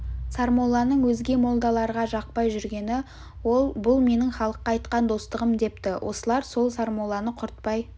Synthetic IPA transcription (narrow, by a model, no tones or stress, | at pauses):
saɾmolˠɑnəɴwɵzɡʲe̞mo̞lˠd̪ɑlˠɑɾʁɑʒɑq̚pɑjʒʏɾɡʲe̞nɪ | wo̞lˠbʊlˠme̞nɪŋχɑlˠəqːɑːjt̪qɑnd̪o̞st̪əʁəmd̪e̞pt̪ɪwʔo̞̰səlˠɑɾso̞lˠsaɾmolˠɑnəqʰʊɾt̪̚pɑj